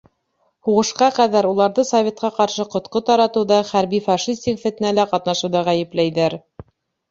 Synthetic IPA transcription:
huʁɤ̆ʃqɑqæðæɾulˠɑɾðɤsɐvʲe̞t̪̚qɑqɑɾʃɤqŏt̪qot̪ɑɾɑt̪ɤ̆ðɑχæɾbifɑʃisʲt̪ʲikfɘ̆t̪ɘ̆nælæqɑt̪nɑʃŭwðɑʁæjɘ̆plæjðæɾ

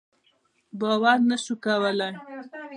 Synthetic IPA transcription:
bawaɾnaʃukawəlaj

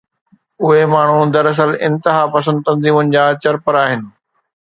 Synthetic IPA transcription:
ʊɦemaːɳ̤̃ud̪ɐɾɐs̬əlɪ̰̃nt̪ɪɦaːpɐsə̃nd̪̚t̪ɐ̃nziːmʊnɪ̆d͡ʑaːt͡ɕɐɾpəɾaːɦɪnɪ̆

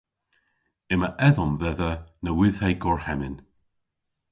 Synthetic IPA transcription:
ɪməʔɛðɔmvɛðənəwɪð̥hejɡɔɹhɛmɪn

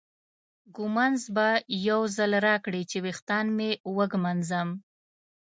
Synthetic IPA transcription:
ɡʊmanzbajawzalɾɑkɽit͡ʃewext̪ɑnmewəɡmanzəm

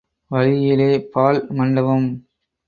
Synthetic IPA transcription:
ʋɐɻɪjɪleːpaːlmɐɳɖɐʋɐm

